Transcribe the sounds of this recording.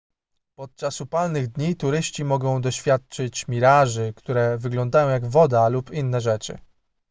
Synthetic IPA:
pɔt̪̚t͡ʂasupalnɘɣd̪ɲit̪uɾɘɕt͡ɕimɔɡɔ̃w̃d̪ɔɕfʲjat̪̚t͡ʂɘt͡ɕmʲiɾaʐɘkt̪uɾɛvɘɡlɔnd̪ajɔ̃w̃jaɡvɔd̪alupinːɛʐɛt͡ʂɘ̰

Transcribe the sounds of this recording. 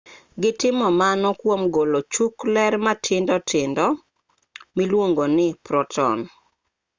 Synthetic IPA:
ɡɪtɪmɔmanɔkwomɡolot͡ʃuklɛɾmatʰɪndɔtʰɪndɔ | milwoŋɡonɪpɾɔtʰɔ̰n

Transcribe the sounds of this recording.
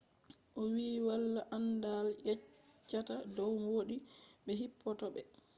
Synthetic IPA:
ʔɔwiːwalːaʔandaljɛt͡ʃːatadɔwmoːɗiɓɛɦipʰːɔtɔɓɛ

